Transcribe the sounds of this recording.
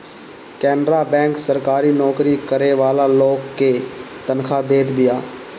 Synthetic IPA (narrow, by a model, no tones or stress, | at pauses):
kɛːnɾaːbɛ̃ːŋksəɾkaːɾiːnɔːkɾiːkəɾeːʋaːlaːloːkːeːt̪ənkʰaːd̪eːt̪bɪjaː